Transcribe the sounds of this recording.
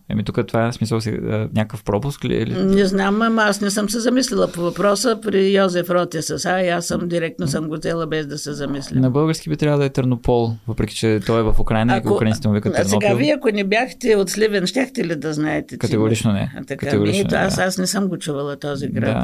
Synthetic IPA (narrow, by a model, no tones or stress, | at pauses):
ɐ̰mit̪ukət̪ovaɛsmisəlˠsɛ̰ɲʲakəkəfpɾɔpʊsklḭlḭnɛznamɐmɐasnɛsəmsɛzɐmislʲɛlˠɐpovɐpɾɔsəpɾijɔzɛfɾɔt̪ɛsɐsaiasːəmd̪iɾɛk̚t̪nosəmɡoszɛlˠəbɛzd̪ɐsɛzɐmislʲinɐbɤlˠɡəɾskʲibit̪ɾʲavəd̪ɐɛt̪əɾnopʰɔlˠvəpɾɛkʲi̥t͡ʃɛt̪ɔɛvɐfʊkɾajnɐkoɾainkʲit̪ɛmovikəɾsɛoɡaviɐkonɛbjaxt̪ɛot̪slʲivɛnʃt̪ʲaxt̪ɛlid̪ɐznaɛt̪ɛkɐt̪ɛɡoɾit͡ʃnonɛ̰t̪ɐkɐat̪ɛɡʊɾiɛoasasnɛsəmɡot͡ʃuvɐlˠɐt̪ɔziɡɾdad̪a̰